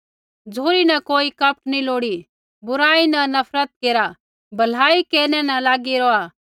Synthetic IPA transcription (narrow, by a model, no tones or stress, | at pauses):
d͡zʱoːɾinɐkoːikɐp̚ʈniloːɽi | bʊɾaːinɐnɐpʰɾət̪̚keːɾa | bʱɐl̤aːikeːɾnɛnɐlaːɡiɾɔa